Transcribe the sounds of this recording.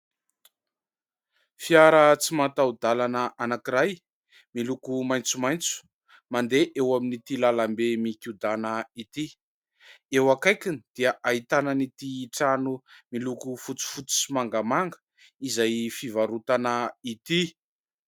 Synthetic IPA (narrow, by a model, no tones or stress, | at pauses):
fiaɾət͡simat̪aud̪alanəʔanakiɾaj | milukumajnt͡sumajnt͡su̥ | mand̪eʔewaminit̪ilalambemikʲud̪anəit̪i | ewakajkinid̪̥iəʔaɦit̪anənit̪iːʈ͡ʂanumilukufut͡su̥fut͡su̥simaŋɡamaŋɡə | izajfivaɾut̪anəit̪i